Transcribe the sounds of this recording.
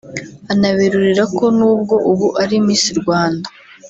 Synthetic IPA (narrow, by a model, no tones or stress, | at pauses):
anaβiɾuɾiɾako̞nuːb̚ɡo̞ʔuβuʔaɾimiːnsiɾɡwaːnda